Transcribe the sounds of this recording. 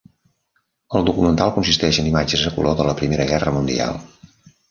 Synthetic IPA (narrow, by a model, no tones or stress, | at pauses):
əlˠd̪ukumənt̪alˠkunsist̪ɛʒənimad͡ʒəzðəkṵloðələpɾimeɾəɣɛrəmund̪ḭa̰lˠ